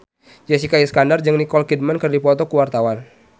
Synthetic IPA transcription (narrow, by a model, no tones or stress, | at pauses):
d͡ʒɛsikaiskandard͡ʒɨŋnikɔlkid̚mankərdipɔt̪ɔkuwart̪awan